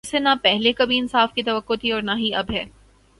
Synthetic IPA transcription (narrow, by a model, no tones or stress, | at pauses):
senapɛɦlekabʱiɪnsaːfkit̪ɐʋəkːot̪ʰiɔːɾnaɦiɐbɦɛː